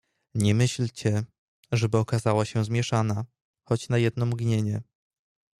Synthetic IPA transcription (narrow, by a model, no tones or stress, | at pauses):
ɲɛmɘɕlt͡ɕɛ | ʐɛbɘɔkazawaɕɛzmʲjɛʂana | xɔt͡ɕnajɛd̪̚nɔ̃mɡɲeɲɛ